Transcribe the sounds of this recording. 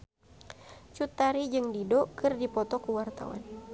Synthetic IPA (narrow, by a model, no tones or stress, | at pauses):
t͡ʃut̪aɾid͡ʒɨŋdidɔkɨrdipɔt̪ɔkuwart̪a̰wa̰n